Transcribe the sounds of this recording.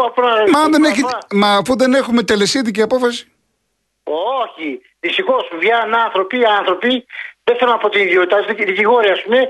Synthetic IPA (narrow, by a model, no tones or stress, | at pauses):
ɐponɐmɐnðeneçimɐːfuðe̞ne̞xume̞t̪elesiðiciɐpo̞fɐsi̥ | oçi | ðist̪ixosvʝɐnɐnθɾo̞piɐnθɾo̞piðefeɾɐnɐpot̪iniðiot̪it̪ɐsðiciɣo̞ɾiɐːspume̞